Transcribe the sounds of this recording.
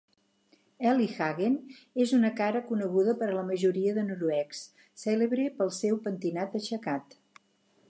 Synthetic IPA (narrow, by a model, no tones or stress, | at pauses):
ɛlixaɣenezunəkaɾəkunəɣuðəpəɾələməʒuɾiəðənuɾuɛksː | eleβɾepəlˠsɛwpənt̪inat̪̚əʃəkat̪